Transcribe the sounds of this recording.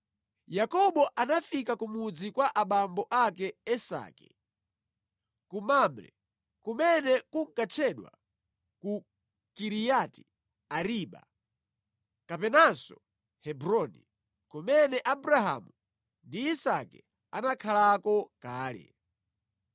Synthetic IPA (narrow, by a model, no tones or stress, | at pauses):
jakɔɓɔʔanafikakumud͡zikwaʔaɓambɔʔakɛɛsa̰ːkɛ̥̰ | kumamɾɛ̰ | kumɛnɛkuŋ̩kat͡ʃʰɛɗwa̰ | ku | kiɾijati̥ | aɾiɓa̰ | kapɛnansɔ | hɛbɾɔni | kumɛnɛʔabɾaɦa̰mu | ndiːsakɛ | a̰nakʰalakɔkaːlɛ̰